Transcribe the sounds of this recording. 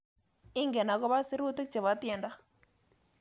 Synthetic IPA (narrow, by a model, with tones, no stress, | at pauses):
ɪ˦ŋɡɛ˨na˨kɔ˦ba˦sɪ˦ɾʊ˦tɪ˦k̚t͡ʃɛ˨βa˨˦tjɛ˨nda˦